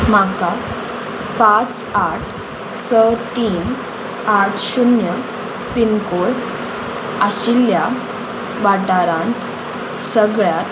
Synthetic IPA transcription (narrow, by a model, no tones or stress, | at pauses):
m̤aka | pãt͡s | aʈʰ | sət̪iːn | aʈʰɕunjə | pinkoɭ | aɕilja | ʋaʈaɾãnt̪ | səɡɭjat̪